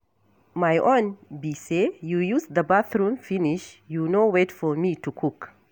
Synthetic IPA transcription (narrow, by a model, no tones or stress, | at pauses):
majʔõnbisejujusd̪əbaθɹũmfiniʃjunowetfɔmitukʰuk